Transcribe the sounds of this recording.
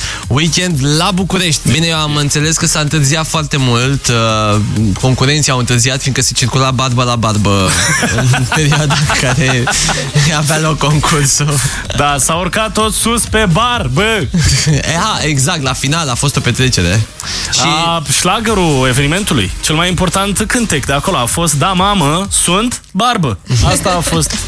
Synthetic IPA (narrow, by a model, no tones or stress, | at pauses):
wikʲe̞nd̪labukuɾe̞ʃt̪ʲbinejewamɨnt̪se̞le̞skəsaɨnt̪ɨrziat̪foart̪e̞mult̪ | ko̞ŋkuɾe̞nt̪siamɨnt̪ɨrziat̪find̪kəse̞t͡ʃirkulabarbəlabarbəɨɨnpe̞ɾioad̪akaɾe̞ | avealo̞kːo̞ŋkʰursu | d̪asaorkat̪ːo̞t̪suspe̞barbə | aeɡzak̚t̪lafinalafo̞st̪o̞pe̞t̪ɾe̞t͡ʃe̞ɾe̞̰ | ʃiʃlaɡəɾue̞ve̞nime̞nt̪ulṵjt͡ʃe̞lmajimpo̞rt̪ant̪kɨnt̪ekd̪eako̞loafo̞st̪̚d̪amaməsunt̪ | barbəast̪aːfo̞st̪